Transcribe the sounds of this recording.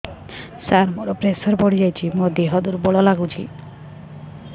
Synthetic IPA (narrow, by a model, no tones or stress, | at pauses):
saɾmoɾɔpɾesɔɾbɔɽ̤id͡ʒajt͡ʃʰimod̪eɦɔd̪uɾbɔɭɔlaɡut͡ʃʰḭ